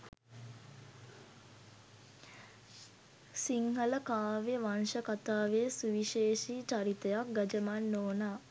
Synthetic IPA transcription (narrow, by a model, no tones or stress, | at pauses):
siŋɦələkaːʋeʋanʃəkat̪aːʋesuʋiʃeːʃit͡ʃaɾit̪əjak̚ɡɐd͡ʒəmanːoːnaː